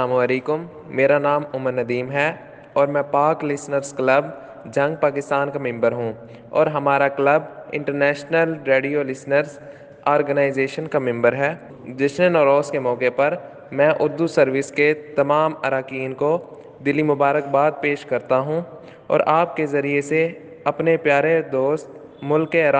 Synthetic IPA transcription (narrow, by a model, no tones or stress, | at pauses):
aːmuɐleːkʊmː | eːɾanaːmʊməɾnɐd̪iːmɦɛ | ɔːɾmɛ̃paːɾklɪsnəɾzklɐb | d͡ʒɐ̃ŋɡ̚paːkɪst̪aːnkamɛ̃mbəɾɦũ | ɔ̰ːɾɦɐmaːɾaklɐbɪ̰̃ɳʈəɾnɛːʃnəlɾeːɖijolɪsnəɾz | ɔːɾɡənaːɪzeːʃənkamɪ̃mbəɾɦɛː | d͡ʒɪʃnenɔːɾɔːskemɔːkepɐɾ | mɛ̃ːʔʊɾd̪usɐɾʋɪsket̪ɐmaːmɐɾaːkiːnko | d̪ɪlːimʊbaːɾək̚baːd̪̚peːʃkɐɾt̪aɦũ | ɔ̰ːɾʔaːp̚kezɐɾiese | ɐpnepjaːɾed̪oːst̪ | mʊlkːeɾaː